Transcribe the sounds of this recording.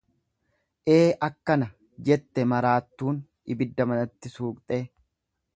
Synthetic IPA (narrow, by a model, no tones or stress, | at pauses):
ʔe̞ːʔɐkːɐnɐ | d͡ʒɛt̪ːɛmɐɾaːt̪ːuːn | ɪbɪd̪ːɐmɐnɐt̪ːɪsuːkʼt̪ʼeː